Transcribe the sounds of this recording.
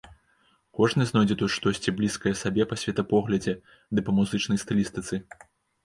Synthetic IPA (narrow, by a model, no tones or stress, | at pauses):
kɔʐnɨznɔjd͡zʲɛt̪ut̪ʂt̪ɔsʲt͡sʲiblʲiskɐjɛsabʲɛpɐsʲvʲɛt̪ɐpɔɣlʲɐd͡zʲɛ | d̪ɨpɐmuzɨt͡ʂn̪ɐjst̪ɨlʲist̪ɨt̪sɨ